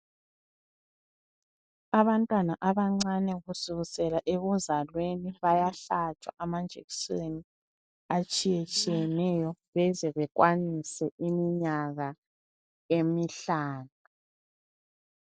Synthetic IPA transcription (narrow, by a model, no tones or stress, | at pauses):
aβantʼwanaʔaβaŋ͡ǀanɛɣusuɣusɛlaʔeɣuzalweniβajaɬat͡ʃʰʼwa̰ʔamand͡ʒʱḛkisweni | at͡ʃʼijɛt͡ʃʼijɛnɛjɔβɛzɛβɛkwanisɛimiɲaɣa | emiɬaːna